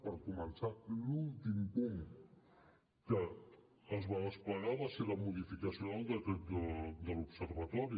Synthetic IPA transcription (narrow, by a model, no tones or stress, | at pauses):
pəɾkumənsalulˠt̪impuŋ | kəː | zβaəspləɾaləseβəmuðifikəsiond̪əd̪əd̪əlupsərβat̪ɔɾi